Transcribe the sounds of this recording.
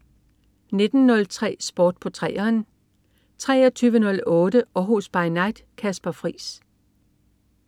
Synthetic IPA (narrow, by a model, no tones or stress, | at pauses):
ne̝d̥n̩ːɔ̽lt͡sʰʁɛ̰ːsb̥ɒːd̥̚pʰɒ̽t͡sʰʁɛːɐn | t͡sʰʁɛ̰ːɐt͡sʰyːʋənɔ̽lɔ̽ːdəɒ̽ɦo̝sb̥ɑ̈ɪnɑ̈ɪd̥kʰæsb̥ɐfʁḭːs